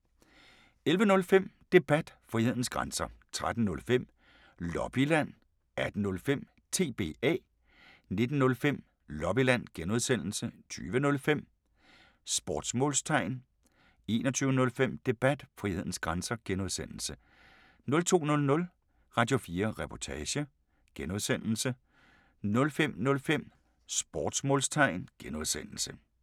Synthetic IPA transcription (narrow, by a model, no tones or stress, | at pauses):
elʋənɔ̽lfem̰d̥e̝b̥æd̥fʁihe̝ð̰ˠn̩sɡ̥ʁansɐt͡sʰʁad̥n̩ːɔ̽lfem̰ | lɒ̽b̥ilæn̰ | æd̥nɔ̽lfem̰ | t͡sʰe̝ːb̥e̝̰ːɛ̰ː | ne̝d̥n̩ːɔ̽lfem̰ | lɒ̽b̥ilæn̰ɡ̥enuð̞ˠsen̰l̩sət͡sʰy̰ːʋənɔ̽lfem̰ | sb̥ɒːd̥smɔ̽ːlst͡sʰɑ̈ɪ̰n | e̝̰ːnɒt͡sʰyːʊənɔ̽lfem̰d̥e̝b̥æd̥fʁihe̝ð̞̰ˠn̩sɡ̥ʁɑnsɐɡ̥enuð̞ˠsen̰l̩sə | nɔ̽lt͡sʰo̝̰ːnɔ̽lnɔ̽l | ʁɑ̈d̥jo̝fiːɐʁɛpʰɒt͡sʰɛːɕə | ɡ̥enuðˠsen̰l̩sə | nɔ̽lfem̰nɔ̽lfem̰ | sb̥ɒːd̥smɔ̽ːlst͡sʰɑ̈ɪ̰nɡ̥enuð̞ˠsen̰l̩sə